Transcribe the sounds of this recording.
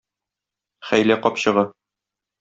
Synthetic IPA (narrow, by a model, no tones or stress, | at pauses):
χæjlæqɒpɕɤ̆ʁɤ